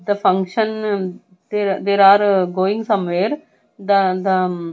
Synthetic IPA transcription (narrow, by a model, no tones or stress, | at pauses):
d̪əfʌ̃ŋkʃə̃n | d̪ed̪eːɾaːɾɡoːɪ̃ŋɡsʌ̃mʋeːɾ | d̪əd̪ə